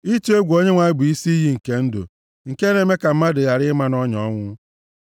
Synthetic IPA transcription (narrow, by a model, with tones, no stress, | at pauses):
i˦t͡ʃe˦ɡʷo˦ɲe˦ŋʷa˨ɪ˦bʊ˨i˦si˦i˦ɦi˦ŋ̩˨ke˦n̩˦dʊ̰˨ | ŋ̩˨ke˦ne˨me˦ka˨m̩˦ma˦dʊ˨ja˨ɾɪ˦ma˦nɔ˦ɲɔ˦ŋʷʊ˦